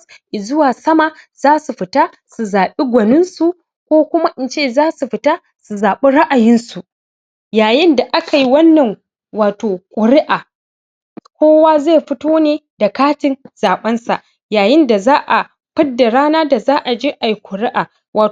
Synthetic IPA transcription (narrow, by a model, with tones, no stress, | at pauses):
ʔɪ˨zʊ˦waː˨sɐ˦ma˨zaː˦su˨ɸɪ˨ta˦ | su˨zaː˨ɓi˦ɡʷɐ˨nɪ˦nsu˨ | kʷoː˦kʷʊ˦ma˦ʔɪ˨nt͡ʃeː˦˨zaː˦su˨ɸɪ˨˦ta˦ | su˨zaː˨ɓi˦ɽa˦ʔa˨jɪ˦nsu˨ | jaː˨jɪ˦nda˨ʔa˦ka˨ji˦wɐ˦nːɐ˨ŋ | waː˨toː˨kʷʼʊ˨ɾɪ˦ʔaː˨ | kʷoː˦waː˦ze˦˨ɸɪ˦toː˦neː˨da˨kaː˦tɪ˨nz̥aː˨ɓɐ˦nsa̰˨ʔ | jaː˨jɪ˦nda˨zaː˦ʔa˨ | ɸɪ˦dːa˨ɽaː˦naː˦da˨zaː˦ʔa˨d͡ʒeː˦ʔa˨ji˦kʷʊ˨ɾɪ˦ʔaː˨ | waː˨